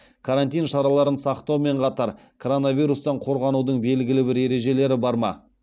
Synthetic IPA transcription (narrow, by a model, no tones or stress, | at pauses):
kʰaɾant̪ʲijnʃɑɾɑlˠɑɾənsɑqt̪ɑwme̞ɴqʰɑt̪ɑɾ | kʰoɾo̞navʲijɾust̪ɑɴqʰo̞ɾʁɑnud̪əɴbe̞lɡʲɪlɪbɪɾe̞ɾe̞ʒe̞le̞ɾɪbɑɾmɑ̰